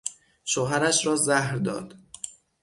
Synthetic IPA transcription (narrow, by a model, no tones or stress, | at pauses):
ʃoɦæɾæʃɾɒːzæhɾd̪ɒ̰ːd̪̥